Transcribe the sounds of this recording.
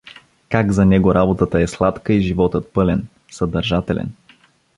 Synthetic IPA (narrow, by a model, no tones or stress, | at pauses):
kaɡzɐnɛɡoɾʔabot̪ət̪əɛslˠat̪kəiʒivɔt̪ət̪̚pɤlɛn | sɐd̪ɐɾʒat̪ɛlɛ̰n